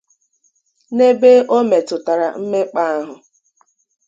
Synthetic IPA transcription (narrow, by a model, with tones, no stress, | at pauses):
ne˦be˦ʔo˦me˨tʊ˨ta˨ɾa̰˨m̩˦me˦k͡pa˦a˦ɦʊ˨